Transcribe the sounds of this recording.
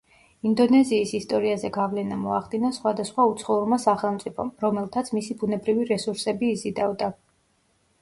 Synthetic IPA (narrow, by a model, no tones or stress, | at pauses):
ind̪ɔnɛziːsist̪ʼɔɾiazɛɡavlɛnamɔaχd̪inasχwad̪asχwaut̪sʰχɔuɾmasaχɛlˠmt̪sʼipʰɔmɾɔmɛlˠt̪ʰat̪sʰmisibunɛbɾiviɾɛsuɾsɛbiːzid̪avd̪a